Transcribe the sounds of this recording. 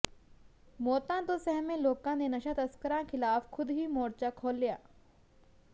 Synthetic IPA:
moːt̪ãt̪osɛɦmẽloːkãnenɐʃat̪ɐskəɾãkʰɪlaːfxʰʊd̪ɦimoːɾt͡ʃakʰoːlːijaː

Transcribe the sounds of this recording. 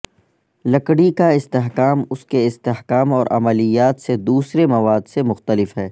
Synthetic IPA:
lɐkɽikaɪst̪eɦkaːmʊskeɪst̪eɦkaːmɔːɾʔɐ̰məlijaːt̪sed̪uːsɾemɐʋaːd̪semʊxt̪əlɪfɦɛː

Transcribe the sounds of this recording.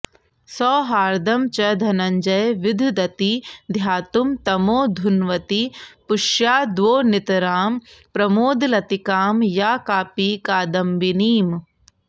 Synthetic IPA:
sɔːɦaːɾd̪ɐmt͡ʃɐd̪ʱɐnɐɲd͡ʒɐjʋid̪ʱd̪ɐt̪id̪ʱjaːt̪umt̪ɐmoːd̪ʱunʋɐt̪ipʊʃjaːd̪ʋoːnit̪ɐɾaːmpɾɐmoːd̪lɐt̪ikaːmjaːkaːpiːkaːd̪ɐmʋiniːm

